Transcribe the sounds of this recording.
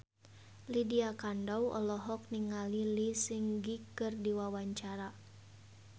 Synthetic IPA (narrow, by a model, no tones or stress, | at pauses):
lidiakandawɔ̰lɔɦɔk̚niŋalilisiŋɡikɨrdiwawaɲt͡ʃaɾa